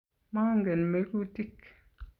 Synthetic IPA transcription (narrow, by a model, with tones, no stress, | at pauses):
maː˦ŋɡɛ˨nme˦ku˦ti˦k